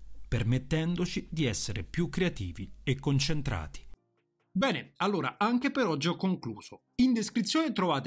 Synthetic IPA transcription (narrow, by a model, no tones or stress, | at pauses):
permet̪ːɛnd̪ot͡ʃid̪iɛsːeɾepjukːɾeat̪iːviekːont͡ʃent̪ɾa̰ːt̪i̥ | bɛːnealːoːɾaʔaŋkepeɾɔd͡ʒːɔkːoŋkluːz̥o | ind̪eskɾit̪sːjoːnet̪ɾovaːt̪e